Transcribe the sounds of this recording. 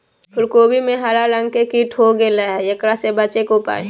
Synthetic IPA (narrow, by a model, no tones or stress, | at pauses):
pʊlkoːbʱimẽɦaːlalə̃ŋɡkekiːʈɦoɡelaɦɛjɐkɾasebəːt͡ʃekopa̰ːe